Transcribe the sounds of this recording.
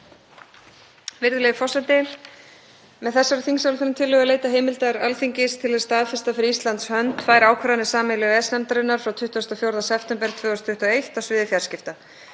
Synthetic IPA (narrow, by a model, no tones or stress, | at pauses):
vɪɾðʏlɛɣfɔsɛnt̪ɪ | mɛðθɛsːaɾʏθiŋsawlɪθʏnːmt̪ʰɪlːʏɣalejt̪aɦejmɪlt̪aɾalfiɲcɪst̪ʰɪlaðst̪aːðfɪst̪afɪɾɪist̪lant̪shœnt̪faːjɾaːwkʰvaɾanɪsaːmɪlɪɣɛsnɛmt̪aɾɪnːaɾ̥fɾawt̪ʰʏht̪uɔst̪afjowɾðasɛpʰt̪ɛmpɛɾ̥t̪ʰvœːst̪ʰʏht̪uɔejht̪awsvɪːðɪfjaɾ̥scɪft̪a